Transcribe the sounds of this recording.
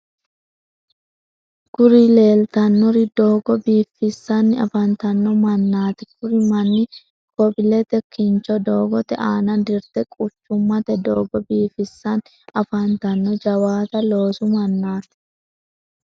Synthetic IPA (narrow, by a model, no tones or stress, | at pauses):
ɡ̥ʊɾile̞ːlt̪ɐnːɔɾid̪oːɡɔbiːfɪsːɐnːɪɐfɐnt̪ɐnːɔmɐnːaːt̪ɛ̥kʊɾɪmɐnːɪ | kɔbɪlɛt̪ɛkːɪnt͡ʃɔd̪oːɡɔt̪ɛʔaːnɐd̪ɪɾt̪ɛkʼʊt͡ʃːʊmːɐt̪ɛd̪oːɡɔbiːfɪsːɐn | ɐfɐnt̪ɐnːɔd͡ʒɐwaːt̪ɐlo̞ːsʊmɐnːaːt̪ɪ̥